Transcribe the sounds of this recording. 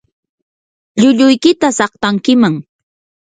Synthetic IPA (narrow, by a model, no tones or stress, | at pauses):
ʎʊʎʊjkɪt̪asɑχt̪aŋkɪmaŋ